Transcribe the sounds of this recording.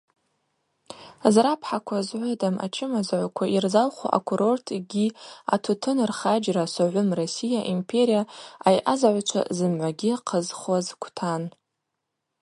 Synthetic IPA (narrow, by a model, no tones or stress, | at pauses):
zrapʰħakʷʰazʕʷʊdamʔa̰t͡ʃʰɪmazʕʷakʷʰairzalχʷa̰ʔa̰kʷʰuɾo̞rtʰɡʲia̰tʰutʰɨnrχad͡ʒrasaʕʷʊmrosijaʔimpʰe̞ɾijaajʔazaʕʷat͡ʃʷʰa̰zɨmʕʷaɡʲiqʰəzχwazkʷʰtʰan